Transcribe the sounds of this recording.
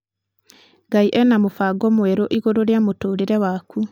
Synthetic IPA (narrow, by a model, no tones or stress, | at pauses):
ɡaiʔɛnamofaɡɔmwɛɾoʔiɣoɾoɾeamotoːɾeɾɛwaku